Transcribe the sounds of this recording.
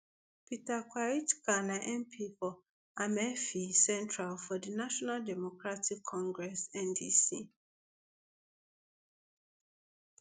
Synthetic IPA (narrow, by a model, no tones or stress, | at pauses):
pʰitakʰʷwaɹitkʰanaʔɛ̃mpʰifɔ | amɛfisɛ̃ntʰɹalfɔdinaʃɔnaldɛmokɹatʰikʰːɔ̃ŋɡɹɛsɛ̃ndisi